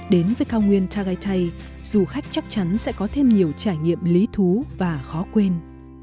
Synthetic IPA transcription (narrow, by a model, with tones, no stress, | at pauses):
ɗe˨˦nvəː˨˦jkaː˧wŋwi˧ənt̪ʰaː˧ɣaː˧jt̪ʰa˧j | z̥u˨˩xa˦˥jk̚t͡ɕa˦˥k̚t͡ɕa˨˦nsɛ̰˧˥kɔ˨˦t̪ʰe˧mɲi˨˩əwt͡ɕaː˧˩jŋḭ˧˨əmli˨˦t̪ʰu˨˦vaː˨˩xɔ˨˦kwe˧n